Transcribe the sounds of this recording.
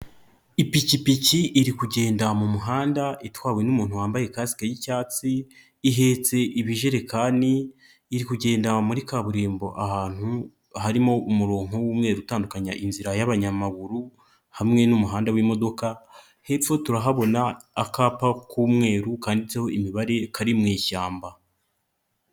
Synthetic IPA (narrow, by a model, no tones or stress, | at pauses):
ipicipiciʔːɾikuɟe̞ːndamumuɦaːndaʔitwaːwenumuːn̥huwaːmbaje̞kaːsi̥kajicaːt͡siː | ɦe̞ːt͡se̞ʔiβiʒe̞ɾe̞kaːniː | ɾikuɟe̞ːndamuɾikaβuɾeːmbo̞̰ʔahaːn̥hu | ɦaɾimo̞umuɾo̞ːŋo̞wuːmŋe̞ːɾutaːndukaɲa̰ʔinziɾajaβaɲamaɡuɾu | hamŋe̞numuɦaːndawimo̞do̞ka | he̞fo̞tuɾaɦaβo̞naːkaːpakuːmŋe̞ːɾukaːndit͡seho̞imiβaɾe̞kʰaɾimŋiːçaːmba